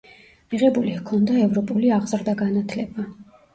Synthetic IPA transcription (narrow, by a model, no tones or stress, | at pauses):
miʁɛbulihkʰɔnd̪aɛvɾɔpʼuliaʁz̥ɾd̪aɡanat̪ʰlɛba